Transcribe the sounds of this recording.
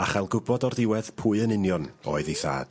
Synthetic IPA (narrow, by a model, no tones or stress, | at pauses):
aχalˠɡʊbɔdɔrdɪwɛð̥pʰuːɨənɨnjɔno̰ːɨðiθa̰ːd̥